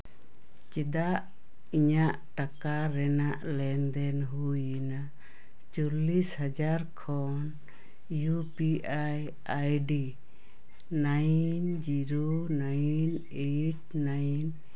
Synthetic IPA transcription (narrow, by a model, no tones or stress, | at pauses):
t͡ʃɛd̪aʔ | iɲaʔʈakaɾɛnaʔlɛnd̪ɛnɦujina | t͡ʃulishad͡ʒaɾkʰɔ | n | jupiʔaj | ajɖi | najnd͡ʒiɾonajn | eʈ̚najn